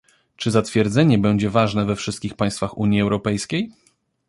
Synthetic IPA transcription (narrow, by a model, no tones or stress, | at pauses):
t͡ʂɘzat̪fʲjɛɾd̪zɛɲɛbɛɲd͡ʑɛvaʐnɛvɛfʂɘst̪̚kʲixpaj̃st̪faxuɲjiɛwɾɔpɛjskʲej